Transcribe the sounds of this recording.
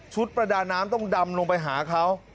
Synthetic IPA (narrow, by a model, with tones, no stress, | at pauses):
t͡ɕʰu˦˥t̪̚pɾa˧daː˧nːaː˦˥mt̪ɔ˥˩ŋda˧mloː˧ŋpa˧jɦaː˩˦kʰa˦˥w